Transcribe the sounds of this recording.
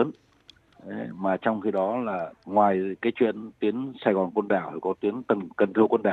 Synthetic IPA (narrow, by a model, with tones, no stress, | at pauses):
ə˨˦n | ə˨˦maː˨˩t͡ɕɔ˧wŋ͡mxi˧ɗɔ˨˦laː˨˩ŋwaː˨˩jkaː˨˦jt͡ɕwḭ˧˨ənt̪wi˨˦ənsaː˧jɣɔ˨˩nkwə˧nɗaː˧˩whkɔ˨˦t̪wi˨˦ənt̪ə˨˩nkə˨˩nt̪ʰɨ˧əkwə˧nɗaː˧˩